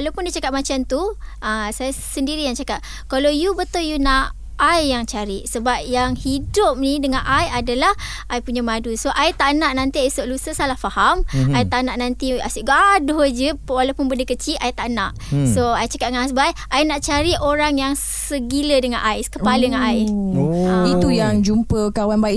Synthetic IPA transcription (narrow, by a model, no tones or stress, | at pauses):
walawpʊndit͡ʃakat̪̚mat͡ʃant̪uʔasajasəndiɾijaŋt͡ʃakaʔ̚ | kalawjubət̪ʊljuna | ajːaŋt͡ʃaɾiʔsəbap̚jaŋhidʊp̚nidəŋãnʔajadalah | ʔajpuɲamãdusoʔajt̪aʔnaʔnãnt̪iaisoʔlusəsalahfahamajt̪aʔnãʔnãnt̪ia̰sʊʔɡadohd͡ʒəwalawpʊnbəndəkət͡ʃiʔajt̪aʔnãʔ | soajt͡ʃakat̪̚ŋasbaajʔajnaʔt͡ʃaɾiʔoɾaŋjaŋ | səɡilədəŋãnʔajskəpalədəŋanajait̪ujaŋd͡ʒumpəkawanbai